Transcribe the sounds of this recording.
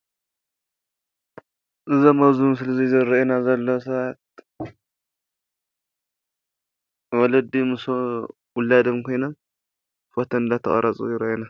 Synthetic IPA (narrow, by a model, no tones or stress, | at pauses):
ʔɨzɐmɐzums̬ɨlɐzizɐɾɐenazɐlːɐsat̪̚ | wɔlɐd̪imɨso | wʊlːad̪ɐmkʰo̞jnɐm | fot̪ʰɐnɨd̪at̪ʰɐχʼɐ̰ɾʔɐt͡sʼṵjɪɾɐʔena